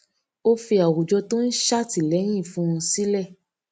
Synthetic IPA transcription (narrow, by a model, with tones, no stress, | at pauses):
o˦fi˧a˨wu˨d͡ʒɔ˧to˦n̩˦ʃa˦ti˨lɛ˨˦j̃ĩ˦˨fũ˦˧ũ˧si˦lɛ˦˨